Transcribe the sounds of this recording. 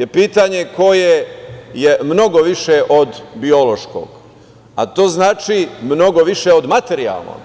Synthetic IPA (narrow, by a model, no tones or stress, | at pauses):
je̞piːt̪aɲe̞ko̞jejemno̞ɡoʋiʃeʔod̪bio̞lo̞ʃko̰ːɡ̥ | a̰t̪o̞ːznaːt͡ʃimno̞ɡo̞ʋiʃeod̪mat̪e̞ɾia̰lˠno̰ːɡ